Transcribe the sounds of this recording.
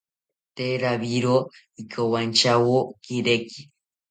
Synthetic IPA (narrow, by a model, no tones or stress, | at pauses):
t̪eɾaβiɾo | ikʰowant͡ʃawokiɾeki̥